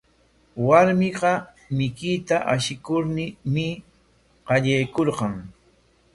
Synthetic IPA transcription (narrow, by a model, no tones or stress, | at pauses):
waɾmɪɢɑ | mɪkɪt̪aʔaʃɪkʊɾnɪmɪ | ɢɑʎajkoɾɢɑŋ